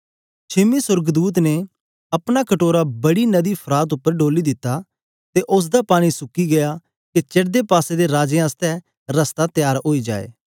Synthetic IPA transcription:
t͡ʃʰɪmisʊɾɡd̪uːt̪ne | ɐpɽ̃akɐʈoːɾabɐɽinɐd̪ipʰɾaːt̪̬ʊpːəɾɖoːlid̪ɪt̪ːa | t̪eʔʊs̬d̪apaːɽ̃isʊkiɡɐja | ket͡ʃeʈd̪epaːsed̪eɾaːd͡ʒjãəst̪ɛ | ɾɐst̪at̪jaːɾɦoːid͡ʒa̰ːḛː

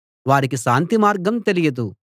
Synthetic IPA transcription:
ʋaːɾikiʃaːnt̪imaːɾɡɐmt̪elijɐd̪u

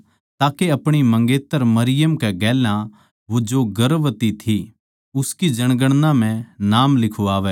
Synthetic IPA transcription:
t̪aːkeɐpɽ̃imɐ̃ŋɡeːt̪ːəɾmɐɾɪjəmkɛɡɛːlã | ʋod͡ʒoːɡɐɾʋt̪it̪ʰi | ʊskid͡ʒɐɽ̃ɡəɽ̃nãmɛ̃naːmlɪkʰuaːʋɛː

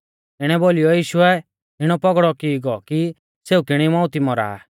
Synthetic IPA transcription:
ɪɽ̃ɛbolijɔjiːʃʊɛ | ɦɪɽ̃ɔpɔɡɽɔkiɡɔki | seːukɪɽ̃imɔ̃ʊt̪imɔɾa̰ː

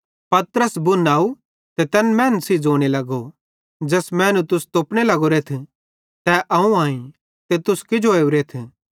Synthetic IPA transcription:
pɐt̪ɾəsbʊnaːu | t̪et̪ɛnmɛːnsid͡ʒoːɽ̃elɐɡo | d͡ʒɐsmɛ̃ːnũt̪ʊst̪oːpɽ̃elɐɡoɾeːt̪ʰ | t̪ɛʔɐũaːĩ | t̪et̪ʊskɪd͡ʒoeːuɾeːt̪ʰ

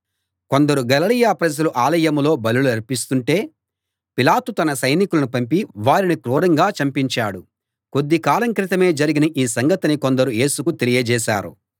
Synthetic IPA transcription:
ko̞nd̪ɐɾuɡɐlɐlijaːpɾɐd͡ʒɐluʔaːlɐjɐmlo̞ːbɐluluɐɾpist̪uɳʈe̞ː | pilaːt̪ut̪ɐnɐsɐjnikulɐnupɐmpiʋaːɾinikɾuːɾɐŋɡaːt͡ʃɐmpiɲt͡ʃaːɽu | ko̞d̪ːikaːlɐŋkɾɪt̪ɐme̞ːd͡ʒɐɾiɡinɐʔiːsɐŋɡɐt̪iniko̞nd̪ɐɾuje̞ːsukut̪elijɐd͡ʒɛːʃa̰ːɾṵ

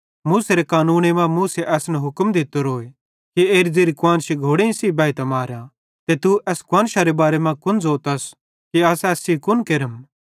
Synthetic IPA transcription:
muːseɾekaːnuːnemãmuːseʔɛːsnɛɦʊkmd̪ɪt̪ːoɾoːe | kieːɾzeːɾikwãːnʃiɡʱoːɽẽĩsibaːit̪amaːɾjã | t̪et̪uʔɛːskʊãːnʃaɾebaːɾemãkʊnzoːt̪ɐs | kiɐsɛːsikʊnkeɾəm

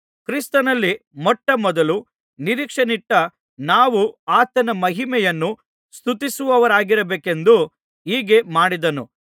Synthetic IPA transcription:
kɾist̪ɐnɐlːimɔʈːɐmɔd̪ɐlu | niɾiːkʂɐniʈːɐ | naːʋuaːt̪ɐnɐmɐɦimɛjɐnːu | st̪ut̪isuʋɐʋɐɾaːɡiɾɐbeːke̞nd̪u | iːɡe̞maːɽid̪ɐnṵ

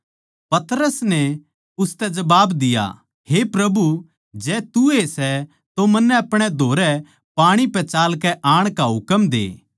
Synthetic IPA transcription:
pɐt̪ɾəsnɛ | ʊst̪ɛd͡ʒɐbaːbd̪ɪja̰ | hepɾɐbu | d͡ʒɛːt̪uesɛ | t̪omɐnːɛɐpɽ̃ɛd̪ʱoːɾɛ | paːɽ̃ipɛt͡ʃaːlkɛʔaːɽ̃kaɦʊkəmd̪ḛː

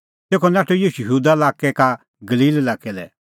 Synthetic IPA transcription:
t̪eːkʰɔnaːʈojiːʃujɐɦuːd̪aɐlaːkɛka | ɡɐliːllaːkɛlɛ̰

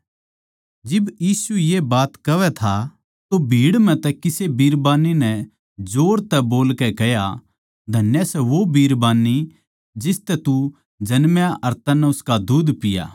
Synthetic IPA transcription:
d͡ʒɪbjiːsujebaːt̪kɐʋɛt̪ʰa | t̪obʱiːɽmɛ̃t̪ɛkɪsebiːɾbaːninɛ | d͡ʒoːɾt̪ɛboːlkɛkɛja | d̪ʱɐnjasɛʋobiːɾbaːnːi | d͡ʒɪst̪ɛt̪u | d͡ʒɐnmjaʔɐɾt̪ɐnːɛʊskad̪uːd̪pɪja̰ː

